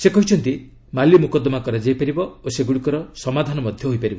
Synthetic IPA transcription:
sekɔɦit͡ʃʰɔnt̪i | malimukɔd̪ɔmakɔɾad͡ʒajpaɾibɔoseɡuɽikɔɾɔsɔmad̪ʱanɔmɔd̪ʱjɔɦojpaɾibɔ

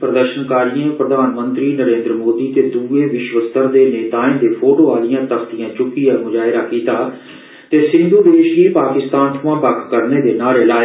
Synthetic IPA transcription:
pɾəd̪əɾʃənkaːɾijẽːpɾəd̪ʱaːnmə̃nt̪ɾiːnəɾẽːnd̪ɾəmoːd̪iːt̪eːd̪uːeːʋɪʃʋəst̪əɾd̪eːneːt̪aːẽːnd̪eːpʰoːʈoːaːlɪjãːt̪əkt̪ijãːt͡ʃʊkːiːaːmʊd͡ʒaːɪɾaːkiːt̪aː | t̪eːsɪ̃nd̪uːd̪eːʃɡiːpaːkɪst̪aːnt̪ʰʊʋãːbəkʰkəɾneːd̪eːnaːɾelaː

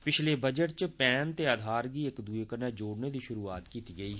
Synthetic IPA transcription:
pɪt͡ʃʰlebəd͡ʒəʈt͡ʃpɛːnt̪eaːd̪ʱaːɾkiekd̪uekəɾnɛd͡ʒoːɽned̪iʃʊɾuːaːt̪kiːt̪iɡəiːɦ

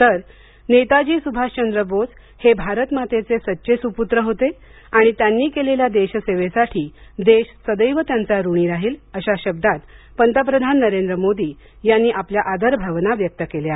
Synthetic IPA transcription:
t̪əɾ | net̪ad͡ʑiːsubʱaɕt͡ɕənd̪ɾəbot͡s | hebʱaɾət̪mat̪et͡sesətːɕesuput̪ɾəɦot̪e | aɽ̃it̪janːiːkeleljad̪eɕseʋesaʈʰiːd̪eɕsəd̪əjʋət̪jant͡saɾuɽ̃iːɾaɦiːləɕaɕəb̚d̪at̪ | pənt̪əp̬ɾəd̪ʱanːəɾend̪ɾəmod̪iː | janːiːʔapljaʔad̪əɾbʱaʋnaʋjək̚t̪əkeleja

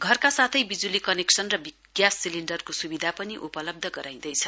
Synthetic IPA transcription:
ɡʱʌrkasat̪ʰʌjbid͡zulikʌneksʌnrʌbiɡ̥jasːiliɳɖʌrkosubid̪ʱapʌniʔupʌlʌb̚d̪ʱʌɡʌɾaj̃d̪ʌjt͡sʰʌ

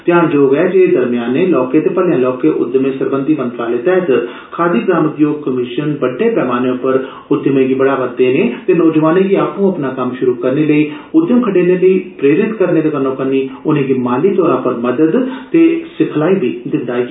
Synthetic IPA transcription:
t̪jaːnd͡ʒoːʋɛːd͡ʒed̪əɾmɪjaːnːeːlɔːkeːt̪eːpəljãːlɔːkeːʔʊ̰d̪əmẽːsəɾbənd̪iːmə̃nt̪ɾaːleːt̪ɛːət̪ | kʰaːd̪iːɡɾaːmʊd̪joːɡ̚kəmɪʃənbəɖːeːpɛːmaːneːʊpəɾ | ʊd̪əmẽːɡiːbəɽaːʋəd̪eːneːt̪eːnɔːd͡ʒəʋaːnẽːɡiːaːpũːəpnaːkəmʃʊɾuːkəɾneːləiː | ʊd̪jəmkʰəɖeːneːləiːpɾeːɾɪt̪kəɾneːd̪eːk̪ənõːkəniːʊnẽːɡiːmaːliːt̪ɔːɾãːpəɾməd̪əd̪t̪eːsɪkʰlaːibʱiːd̪ɪnd̪aː

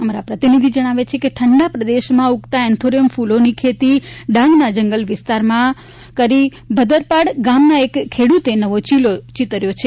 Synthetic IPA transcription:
əmaɾapɾət̪inid̪ʱid͡ʒəɽ̃aʋet͡ʃʰekeʈʰəɳɖapɾəd̪eʃmãukt̪aɛnt̪ʰoɾijəmfulonikʰet̪iɖãŋɡnad͡ʒəŋɡəlʋɪst̪aɾmã | kəɾi | bʱəd̪əɾpaɽɡamnaekʰːeɽut̪enəʋot͡ʃilot͡ʃit̪əɾjot͡ʃʰe

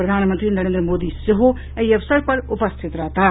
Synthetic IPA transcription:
pɾəd̪ʱaːnmənt̪ɾinɐɾend̪ɾəmod̪iseɦo | əiʌbsəɾpʌɾupəst̪ʰit̪ɾʌɦt̪a

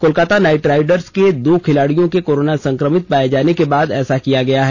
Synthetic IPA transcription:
koːlkaːt̪anaːɪʈɾaːɪɖəɾsked̪oːkʰɪlaːɽijõkekoːɾoːnasɐ̃ŋkɾəmɪt̪̚paːjed͡ʒaːnekebaːd̪ɛ̰ːsakijaɡɐjaɦɛː

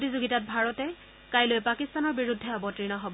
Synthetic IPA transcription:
potizuɡitat̚bʱaɹɔtɛ | kajlojpakistanɔɹbiɹudʱːɛabɔtɹinɔɦɔbɔ

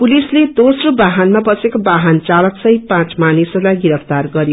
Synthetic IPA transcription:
pulisled̪osrobaɦanmabʌt͡sekobaɦant͡salʌksʌjpãt͡smanisʌlajɡiɾʌpʰt̪arɡʌɾj

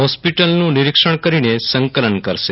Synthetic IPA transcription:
ɦɔspiʈəlnũniɾikʂəɳ̃kəɾinesəŋkələnkəɾʃe

